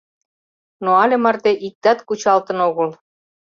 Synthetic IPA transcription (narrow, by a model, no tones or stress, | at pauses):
noɑlʲĕmɑrt̪eʔik̚t̪ɑt̪kut͡ɕɑlt̪ɤ̆noɣə̆l